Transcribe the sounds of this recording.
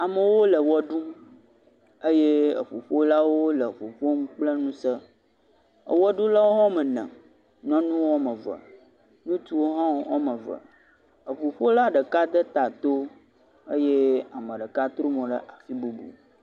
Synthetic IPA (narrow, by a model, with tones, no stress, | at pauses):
a˨mə˨wo˦lə˨wɔ˦ɖu˦ | ə˦je˦ə̰˨ɸo˨ɸo˦la˦wo˦lə˨ɸo˨ɸo˦mũ˦k͡plə˦nũ˦sə˦ | ə̰˨wɔ˦ɖũ˦la˦wo˦ɦɔ̃˦mə˨nə̰̃˨ | nɔ̃˦nũ˦wɔ˦mə˨və̰˨ | nũ˦t͡ʃu˦wo˦ɦã˦wɔ˦mə̃˨və̰˨ | ə˨ɸo˨ɸo˦la˦ɖə˨ka˦d̪ə˦t̪a˨t̪o˦ | ə˦je˦a˨mə̃˨ɖə˨ka˦t̪ɾo˦mɔ̃˨ɖə̰˦ʔa˨fi˦bu˦bṵ˨